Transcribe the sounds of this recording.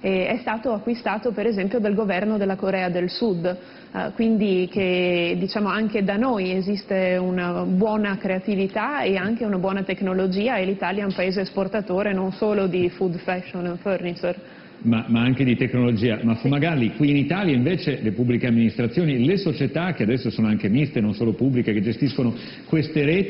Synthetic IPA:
ɛɛst̪aːt̪oakːwist̪aːt̪opeɾezɛmpjod̪alɡovɛrnod̪elːakoɾɛːad̪elsud̪ | kwind̪iked̪it͡ʃaːmoaŋked̪anojezist̪eunabwɔːnakɾeat̪ivit̪aeaŋk̟eunabwɔːnat̪eknolod͡ʒiːaelit̪aːljaɛumpaeːzeːsport̪at̪oːɾenonsoːlod̪ifud̪fɛʃːoniɱfɛrnit͡ʃer | mamaaŋk̟ed̪it̪eknolod͡ʒiːamafumːaɡalːikwiːnit̪aːljaiɱveːt͡ʃelepubːlikeamːinist̪ɾat̪sjoːnilesot͡ʃet̪ak̟ead̪ɛsːosoːnoaŋk̟emist̪enonsoːlopubːlikeked͡ʒest̪iskono | kwest̪eɾɛːt̪

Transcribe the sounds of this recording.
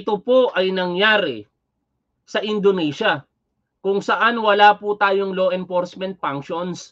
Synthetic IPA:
ɪt̪opoʔɐjnɐŋjaːɾɪ̰ | sɐʔɪnd̪onɛʃɐ | kʊŋsɐʔanwɐlaːpʊt̪aːjoŋloːʔɛnfoɾsmɛ̃nt̪̚paŋkʃons

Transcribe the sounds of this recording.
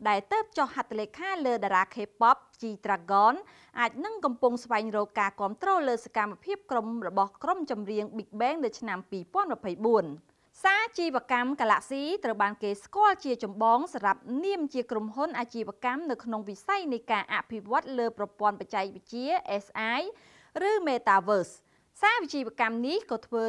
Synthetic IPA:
ɗaɛlt̪əːp̚t͡ɕohhat̪ʰːleːkʰaːləːɗaːɾaːkʰeːpɑp̚t͡ɕiːt̪raːɡɑːn | ʔaːc̚nɨŋkɑmpuŋsʋaɛŋrɔːkːaːkŏəmt̪rɔːləːsakamːapʰiəp̚kromrɔɓɑhkromt͡ɕɑmriəŋɓik̚ɓɛːŋnɨwt͡ɕʰnampiːpɔ̆ənmɑpʰəjɓuən | saːt͡ɕiːʋə̆əkamkaːla̰ʔsiːt̪rəwɓaːnkeːskŏəlt͡ɕiət͡ɕɑmɓɑːŋsamɾap̚niəmt͡ɕiəkromɦunʔaːt͡ɕiːʋə̆əkamnɨwkʰnoŋʋisajnɨjkaːʔaʔpʰiʋŏət̪̚ləːprɑpŏənpac̚t͡ɕaɛk̚ʋɨc̚t͡ɕiəʔɛːsʔaːj | rɨːmeːt̪aːʋəːs | saːʋit͡ɕiːʋə̆əkamnihkɑːt̪ʰʋəː

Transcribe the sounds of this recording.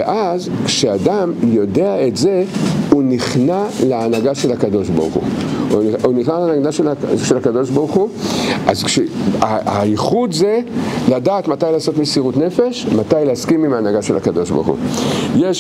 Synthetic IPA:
eʔazkʃeadamjo̞de̞aetzeuniχnaleːnaɡaʃe̞lakado̞ʃba̰ʁuχṵ | uniχnalanadaʃelaʃelakado̞ʃbaʁuχuʔazkʃeaaiχudzeladaːt̪matajlaːso̞tmisiʁutne̞fe̞ʃmatajleaskimimaːnaɡaʃelhakado̞ʃba̰ʁχṵjeʃ

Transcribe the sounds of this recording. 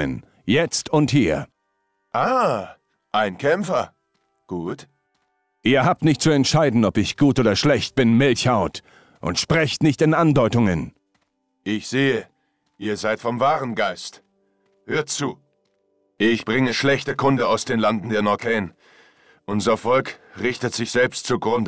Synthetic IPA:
ə̰n | jɛt͡stʊnthiːɐ | ʔaː | ʔaɪnkʰɛmfɐ | ɡ̥uːt | ʔiːɐɦaːp̚tnɪçtt͡suɛntʃaɪdn̩ɔpɪçɡ̥uːtʔoːdɐʃlɛçt̚b̥ɪnmɪlçhaʊt | ʔʊ̰ntʃpʁ̥ɛçtnɪçtɪnʔandɔʏtʊŋən | ʔɪçz̥eːə | ʔiːɐzaɪtfɔmvaːʁənɡaɪst | høːɐtt͡suː | ʔɪçb̥ʁɪŋəʃlɛçtəkʰʊndəaʊsd̥eːnlandn̩deːɐnɔɐkʰɛːn | ʔʊnzɐfɔlkʁɪçtətz̥ɪçz̥ɛlpstt͡suɡʁʊndə

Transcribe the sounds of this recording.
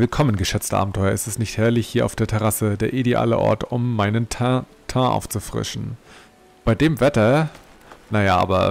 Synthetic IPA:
vɪlkʰɔmənɡəʃɛt͡stəʔaːbm̩tʰɔʏɐʔɪstɛstnɪçthɛɐlɪçhiːɐʔaʊfd̥eːɐtʰɛʁasədeːɐʔidea̰ːlə̰ʔɔ̰ɐtʊmːaɪnənʰ | tʰaʔa̰ʊft͡sufʁ̥ɪ̰ʃn̩ | b̥aɪdeːmvɛtɐ | najaʔa̰ːbɐ̰

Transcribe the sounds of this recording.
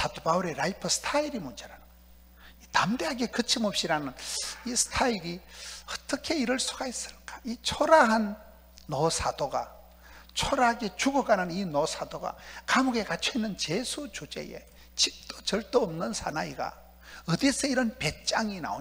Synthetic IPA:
sadopauɾeɾaipʰʌsʰtʰaiɾimund͡ʑeɾanɯn | it̪amdeɦaɡe̞kɯt͡ɕʰimʌp̚ɕ͈iɾanɯnisʰɯ̥tʰaiɾiʌt͈ʌkʰe̞iɾɯɭs͈ʰuɡais͈ɯ̥ɭk͈ḁit͡ɕʰoɾaɦanː | osʰad̥̪oɡa̰ | t͡ɕʰoɾaɦaɡe̞t͡ɕuɡʌɡanɯninosʰadoɡa̰kamuɡe̞kat͡ɕʰoinːɯnt͡ɕe̞sʰut͡ɕud͡ʑe̞̰je̞̰ | t͡ɕik̚t̪͈o̥t͡ɕʌɭt̪͈oːmnɯnsʰanaiɡa̰ | ʌd̪isʰʌiɾʌnpe̞t̚t͡ɕ͈aŋina̰o

